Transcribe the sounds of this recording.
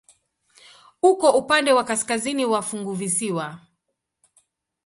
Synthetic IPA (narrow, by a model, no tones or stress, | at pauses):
ukɔʔupandɛwakaskaziniwafuŋɡuvisiwa